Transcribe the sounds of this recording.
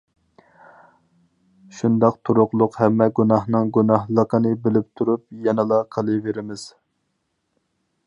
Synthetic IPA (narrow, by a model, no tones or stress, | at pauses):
ʃund̪ɑqt̪ʰuɾʊqlˠʊqhɛmːɛɡunɑhnɨŋɡunɑhlˠəqʰənɨbɪlɪp̚t̪ʰuɾupjɛnɨlˠɑqʰəlˠɨveɾɪmɪz̥